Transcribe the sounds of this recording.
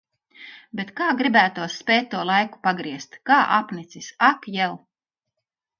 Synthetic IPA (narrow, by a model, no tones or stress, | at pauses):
bet̪kaːɡɾibæːt̪uɔsːpʲɛjt̪̚ʲːuɔlˠajku̥paɡɾiɛst̪kaːʔa̰pnit̪sisakjɛlˠ